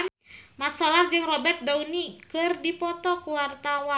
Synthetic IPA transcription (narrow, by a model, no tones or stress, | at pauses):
mat̪̚sɔlard͡ʒɨŋrɔbɛrt̪̚daunikɨrdipɔt̪ɔkuwart̪awa